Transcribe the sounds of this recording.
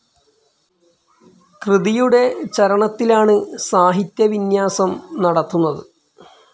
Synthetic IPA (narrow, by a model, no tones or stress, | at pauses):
krɨðijuɽe̞t͡ɕɐɾɐɳɐt̪ːilaːɳɨsaːɦit̪jɐʋinjaːsɐmnɐɽɐt̪ːunːɐðɨ